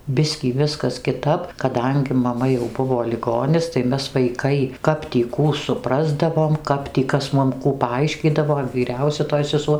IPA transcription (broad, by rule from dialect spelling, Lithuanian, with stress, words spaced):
ˈbʲɪsʲkʲiː ˈʋʲɪskɐs kʲɪˈtɐp kɐˈdɐŋʲɡʲɪ mɐˈmɐ jɛʊ ˈbʊʋoː lʲɪˈɡoːnʲɪs tɐɪ ˈmʲɛs ʋɐɪˈkɐɪ ˈkɐp tʲiː ˈkuː sʊˈprɑːzdɐʋoːm ˈkɐp tʲiː ˈkɐs ˈmʊm ˈkuː pɐˈɐɪʃʲkʲiːdɐʋoː ʋʲiːˈrʲɛʊsʲɛ toːj sʲɛˈsuɔ